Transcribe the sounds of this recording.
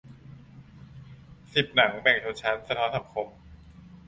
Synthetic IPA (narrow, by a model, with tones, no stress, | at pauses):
si˨˩p̚na˩˦ŋbɛ˨˩k̚t̪ʰo˧˥t͡ɕʰa˦˥nsa˧t̪ʰɔː˦˥nsa˨˩p̚kʰo˨˩˦m